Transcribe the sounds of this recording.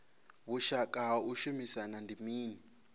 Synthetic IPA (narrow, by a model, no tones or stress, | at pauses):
βuʃakʼauʃumisanandimiːni